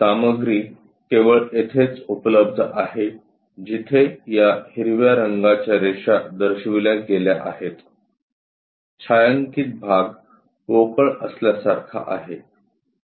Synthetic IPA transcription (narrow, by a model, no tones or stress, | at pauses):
saməɡɾiː | keʋəɭet̪ʰet͡supləb̚d̪ʱʔaɦe | d͡ʑit̪ʰejahiɾʋjaɾəŋɡat͡ɕjaɾeɕad̪əɾɕʋiljãɡeljaʔa̰het̪ | t͡ɕʰajəŋkiːt̪̚bʱaɡ | kokəɭəsljasaɾkʰa̰ʔa̰ɦe